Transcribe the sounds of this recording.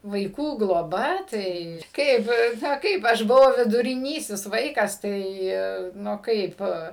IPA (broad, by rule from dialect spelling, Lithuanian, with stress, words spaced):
ʋɐɪˈkuː ɡlˠoːˈbɐ tɐɪ ˈkɐɪp ˈnɐ ˈkɐɪp ˈɐʃ bʊˈʋɐʊ ʋʲɪdʊrʲɪˈnʲiːsʲɪs ˈʋɐɪkɐs ˈtɐɪ ˈnʊ ˈkɐɪp